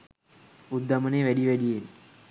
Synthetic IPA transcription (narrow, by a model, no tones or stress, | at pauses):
ud̪ːɐmɐneːʋæɽiʋɛɽijeːn